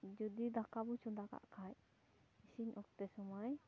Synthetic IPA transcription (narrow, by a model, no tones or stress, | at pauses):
d͡ʒud̪id̪akabut͡ʃund̪aka̰ʔkaʔ | isiɲʔɔk̚t̪ɛsumaj